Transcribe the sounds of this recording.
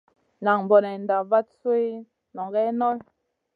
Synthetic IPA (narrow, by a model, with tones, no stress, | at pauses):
na˨ŋm˨bɔ˨nɛ˨n˨da˨va˦t̚se˦ | nɔ˨ŋɡɛ˦nɔ˦l